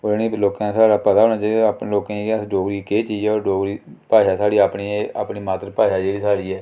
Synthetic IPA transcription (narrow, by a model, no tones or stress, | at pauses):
oɾnĩːploːkãːsaːɽaːpət̪aːɦoːñaːt͡ʃaːiapnːloːkãːekəsɖoːɡɾiːkeːt͡ʃiːd͡ʒɛːɔːɾɖoːɡɾiːpaːjaːsaːɽiːaːpniːea̰ːpniːmaːt̪ɾpaːjaːd͡ʒeːɽiːsaːɽiːɛː